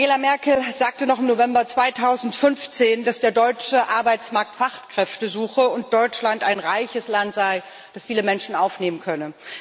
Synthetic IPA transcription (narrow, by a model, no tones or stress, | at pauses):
ɡeːlamɛɐkl̩zaːk̚tənɔχɪmnovɛmbɐt͡sv̥aɪtʰaʊzn̩tfʏnft͡seːndasd̥eːɐdɔʏt͡ʃəʔaɐbaɪt͡smaɐk̚tfaχtkʁ̥ɛftəzuːxəʊnt̚d̥ɔʏt͡ʃlantaɪnʁaɪçəslantz̥aɪ | d̥asfiːləmɛnʃn̩aʊfneːmənkʰœnə